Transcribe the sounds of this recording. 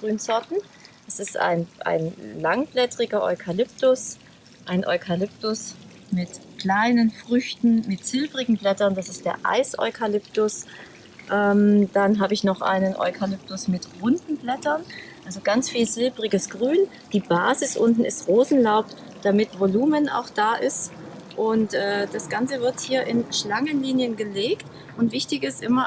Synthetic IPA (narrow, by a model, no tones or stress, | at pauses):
ɡ̥ʁyːnzɔɐtn̩ | dasɪstʔa̰ɪnʔa̰ɪnlaŋb̥lɛtʁ̥ɪɡɐʔɔ̰ʏkʰalʏp̚tʊs | ʔaɪnʔɔ̰ʏkʰalɪp̚tʊs | mɪtkl̥aɪnənfʁ̥ʏçtn̩mɪtz̥ɪlbʁɪɡŋ̩blɛtɐnd̥asɪst̚d̥eːɐʔa̰ɪsʔɔ̰ʏkʰalʏptʊs | ʔɛːmd̥anɦaːbəɪçnɔχʔa̰ɪnənʔɔ̰ʏkʰalʏp̚tʊsmɪtʁʊndn̩blɛtɐnʔalzoɡant͡sfiːlzɪlbʁɪɡəsɡ̥ʁyːn | d̥iːbaːzɪsʔʊntn̩ɪ̰stʁoːzn̩laʊp | d̥amɪtv̥oluːmənʔa̰ʊxd̥aːʔɪst | ʔʊntʔɛːd̥asɡ̥ant͡səvɪɐthiːɐʔɪnʃlaŋənliːnjənɡəleːkt | ʔʊntv̥ɪçtɪçɪsʔɪmɐ